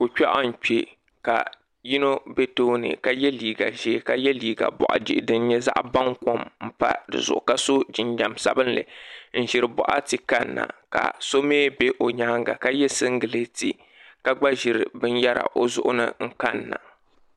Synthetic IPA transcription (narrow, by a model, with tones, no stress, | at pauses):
o˨t͡ʃa˦ʔa˦n̩˨k͡pe˨ | ka˨ | ji˦no˦be˦toː˦nɨ̰˨ka˨jɛ˦liː˨ɡa˨ʒeː˦ka˦jɛ˦liː˦ɡa̰˨bɔ̰˨ʔa̰˨d͡ʒi˦ʔdɨ˦n˦ɲɛ˦za̰˦ʔba˦ŋko˦mm̩˦pa̰˦dɨ̰˨zʊ̰˨ʔʊ˨ka˦so˦d͡ʒɪ˨nd͡ʒa˨msa̰˨bɨ˦n˦lɨ̰˨n̩˦ʒɪ˨ɾɨ˨bɔ̰˨ʔa̰˦ti˨ka˦nːa̰˨ka̰˨so˦meː˦be˦ʔo˨ɲaː˦ŋɡa˨ka˦jɛ˦sɨ˦ŋ˦ɡɨ˨lɨ˦ti˦˨ | ka˦ɡ͡ba˦ʒɪ˨ɾɨ˨bɨ˦n˦ja˦ɾa̰˨ʔo˦zʊ˦ʔʊ˦nɨ̰˦ŋ̩˦ka˦nːa̰˨